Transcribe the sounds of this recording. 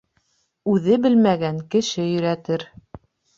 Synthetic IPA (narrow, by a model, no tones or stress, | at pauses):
ʉðɘbɘlmæɡæŋkɘ̆ʃɘjɵ̆ɾæt̪ɘɾ